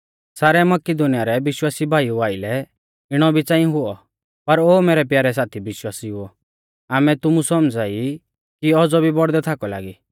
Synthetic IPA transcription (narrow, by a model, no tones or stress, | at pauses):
saːɾɛmɐkɪd̪ʊnijaɾɛbɪʃwaːsibʱaːiuaːɪlɛ | ɪɽ̃ɔbʱit͡sãːĩɦʊɔ | pɐɾoːmɛːɾɛp̬jaːɾɛs̬aːt̪ʰibɪʃwaːsiɦʊɔ | aːmɛt̪ʊmũsɔmd͡zaːi | kiɔd͡zɔbʱibɔɽd̪ɛt̪ʰakɔla̰ːɡi